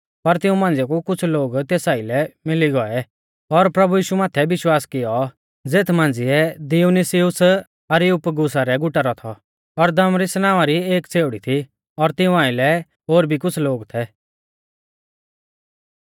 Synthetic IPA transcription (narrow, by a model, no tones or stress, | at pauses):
pɐɾt̪ɪũmãːn̆d͡zɪjɛkukʊt͡sʰloːɡt̪eːsaːɪlɛmɪliɡɔɛ | ɔɾpɾɐbujiːʃumaːt̪ʰɛbɪʃwaːskɪjɔ | d͡zeːt̪ʰmãːnd͡zɪɛd̪ɪunisɪʊs | ɐɾiʊpɡʊs̬aɾɛɡʊʈaɾɔt̪ʰɔ | ɔɾd̪ɐmɾisnaːʋaɾieːkt͡sʰeːʊɽit̪ʰi | ɔɾt̪ɪũãːɪlɛ | ɦoːɾbʱikʊt͡sʰloːɡt̪ʰɛ